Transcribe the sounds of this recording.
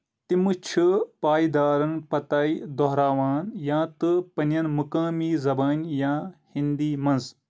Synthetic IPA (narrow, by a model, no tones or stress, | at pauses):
t̪imɨt͡ʃʰɨpaːid̪aːɾɐnpɐt̪aːid̪ɔɦɾaːʋaːnjãːt̪ɨpɐnjɐnmukaːmiːzɐbaːnʲjãːhind̪iːmɐnz